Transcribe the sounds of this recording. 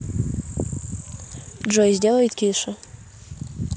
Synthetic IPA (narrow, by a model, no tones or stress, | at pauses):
ʐɔjzʲdʲelˠəjɪt̪kʲiʂɨ